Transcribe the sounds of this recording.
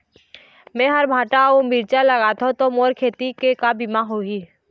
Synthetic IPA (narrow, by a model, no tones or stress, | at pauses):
mɛ̃ːɦəɾbʱaːʈaomiːɾt͡ʃaləɣaːt̪ʰot̪omoːɾkʰeːt̪ikekabimaɦoɦiː